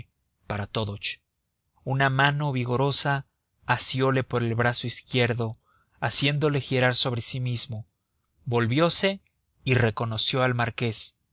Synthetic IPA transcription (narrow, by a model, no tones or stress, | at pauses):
paɾat̪oðot͡ʃ | unamano̞βiɣo̞ɾo̞saː | sjo̞le̞po̞ɾe̞lβɾaso̞iskje̞ɾðo̞ | asje̞nd̪o̞le̞xiɾaɾso̞βɾe̞simizmo̞ | bo̞lβjo̞se̞ | ire̞ko̞no̞sjo̞almaɾke̞s